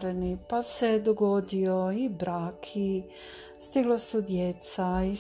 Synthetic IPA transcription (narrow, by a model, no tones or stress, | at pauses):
ɾenipase̞d̪oɡo̞d̪ioibɾaːkʰi | st̪iɡlosud̪jet̪sai